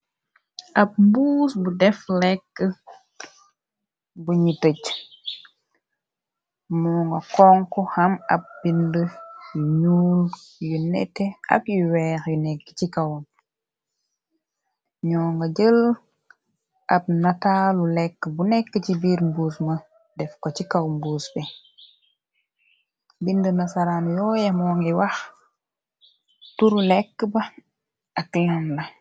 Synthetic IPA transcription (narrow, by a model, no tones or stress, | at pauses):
ʔɐp̚mbuːsbudɛflɛkːə | buɲitəc | muŋɡɐkɔŋkɔhɐmɐ̰p̚bindəjuɲuːljunɛ̰tːɛʔɐ̰kjuwɛːɾjunɛkːə̥cikɐwn | ɲɔːŋɡaɟəl | ʔab̚natalulɛkːəbunɛkːəcibiːɾmbuːsmɐ | dɛfkocikawmbuːsbɛ | bindənasaɾaːnjɔːjamɔŋiwax | tuɾulɛkːbɐ | aklanlɐ